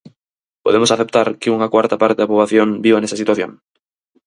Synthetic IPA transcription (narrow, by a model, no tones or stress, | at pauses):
poðemosaθep̚t̪aɾkeuŋakwaɾt̪apaɾt̪eðapɾoβlaθjoŋbiβanesasit̪waθjo̰ŋ